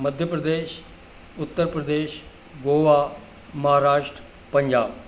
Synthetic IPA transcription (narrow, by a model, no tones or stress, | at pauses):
məd̪ʱjəpɾəd̪eːʃ | ʊt̪ːəɾpɾəd̪eːʃ | ɡoːʋaː | mɐɦaːɾaːʃʈɾ | pəɲd͡ʒaːb